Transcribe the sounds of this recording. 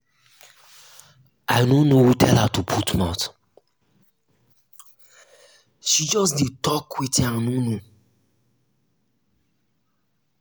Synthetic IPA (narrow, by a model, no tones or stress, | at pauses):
aɪnonohutʰɛlhatupʰutmat | ʃid͡ʒɔs̬did̚tɔkwitãnono